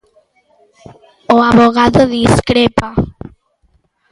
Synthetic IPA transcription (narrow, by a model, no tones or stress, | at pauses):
oaβoɣaðoðiskɾepa